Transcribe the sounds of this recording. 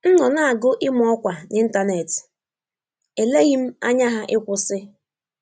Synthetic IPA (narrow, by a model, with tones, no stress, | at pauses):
n̩˦nɔ˨na˦a˨ɡʊ˦ʔɪ˦mʊ˨˦ɔ˦kʷa˨nɪ˦n̩˦ta˦ne˨tɪ̥˨ | e˨le˦ɣi˦m̩˦a̰˦ɲa˦ɦa˦ʔɪ˦kʷʊ˨sɪ˦